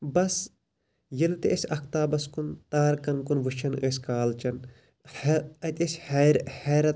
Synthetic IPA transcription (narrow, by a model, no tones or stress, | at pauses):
bɐs | jilt̪eʔɐsʲɐk̚ʰt̪aːbɐskunt̪aːɾkɐnkunʋɨʃʰɐnəːsʲkaːlt͡ʃɐn | hɐt̪ʲɐsʲhɾhɛːɾɐt̪